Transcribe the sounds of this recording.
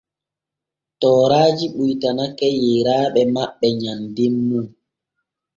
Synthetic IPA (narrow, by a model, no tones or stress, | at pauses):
tɔːɾaːd͡ʒiɓujtanakɛjeːɾaːɓɛmaɓːɛɲandimːum